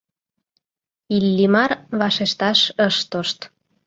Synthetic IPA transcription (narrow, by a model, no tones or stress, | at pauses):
ilːimɑrβɑʃeʃt̪ɑʃəʃt̪oʃt̪